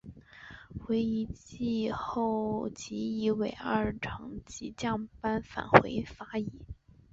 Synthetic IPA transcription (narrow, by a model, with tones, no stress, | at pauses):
xwe˧˥ɪi˧˥t͡ɕi˥˧xo˥˩ʊt͡ɕi˧˥i˧˥we˨˩ɪɐ˞˥˩ʈ͡ʂʰɤ˧˥ŋt͡ɕi˧˥t͡ɕjɑ˥˩ŋpa˥nfa̰˨˩nxwe˧˥ɪfa˥i˧˥˦